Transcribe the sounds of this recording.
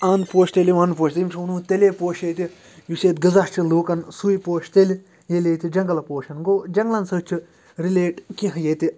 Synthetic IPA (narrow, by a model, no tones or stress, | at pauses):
aːnpoːʃt̪elʲiʋɐnpoːʃʲt̪imʲt͡ʃʰunũːt̪elʲeːpoːʃet̪ʲi | juseːt̪ɡɐzɐɾt͡ʃʰiluːkɐnsujpoːʃt̪elʲ | jelʲet̪ʲid͡ʒɐŋɡɐlɐpoːʃɐnɡoːd͡ʒɐŋɡlɐnsət͡ʃʰi | ɾileːʈkĩɦjet̪ʲi